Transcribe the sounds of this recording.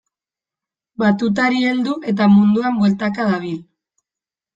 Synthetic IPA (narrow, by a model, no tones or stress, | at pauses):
bat̪ut̪̬aɾie̞ld̪uʔe̞t̪amund̪uambolt̪akaðaβ̞il